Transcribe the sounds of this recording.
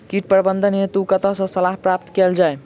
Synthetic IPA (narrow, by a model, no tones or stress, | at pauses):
kiʈpɾbənd̪ʱənet̪ukət̪əsə̃səlaɦpɾap̚t̪keld͡ʒae